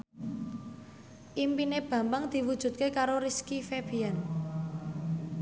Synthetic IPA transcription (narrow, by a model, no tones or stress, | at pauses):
ʔimpineb̥ä̤mbəŋd̪̥i̤wud̥ʒ̥ṳt̪̚kekaɾoɾiskifeb̥ian